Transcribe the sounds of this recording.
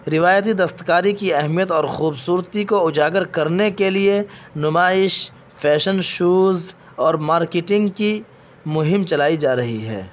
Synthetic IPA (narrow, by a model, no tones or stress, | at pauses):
ɾɪʋaːjt̪id̪ɐst̪kaːɾikiɛɦmijət̪ɔːɾxuːbsuːɾət̪ikoʊd͡ʒaːɡəɾkɐɾnekelienʊmaːɪʃ | pʰɛːʃənʃuːz | ɔːɾmaːɾkeʈɪ̃ŋɡki | mʊɦɪmt͡ʃɐlaːid͡ʒaːɾɐɦḭɦɛ̰ː